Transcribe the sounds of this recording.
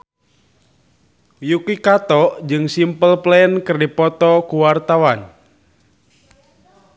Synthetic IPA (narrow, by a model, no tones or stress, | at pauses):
jukikat̪ɔʔd͡ʒɨŋsimpəlplɛənkɨrdipɔt̪ɔkuwart̪awan